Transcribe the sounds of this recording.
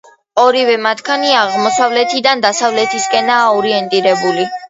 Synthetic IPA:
ɔɾivɛmat̪ʰkʰaniaʁmɔsavlɛt̪ʰid̪and̪asavlɛt̪ʰiskʼɛnaːɔɾiɛnt̪ʼiɾɛbuli

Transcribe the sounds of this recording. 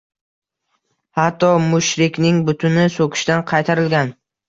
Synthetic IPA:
hat̪ːɒmʊʃɾɪkʲnɪŋbʊt̪ʰʊnɪsokʲʰɪ̥ʃt̪anqʰɑjt̪ʰaɾɪlɡʲan

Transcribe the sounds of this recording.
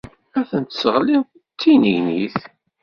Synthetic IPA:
æθənt̪səʁli | t͡sːinəʝniθ

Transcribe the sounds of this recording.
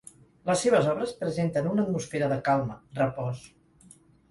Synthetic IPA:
ləsːeβ̞əzɔβɾəspɾəzent̪ənunət̪musfeɾəðəkalˠmərəpɔs

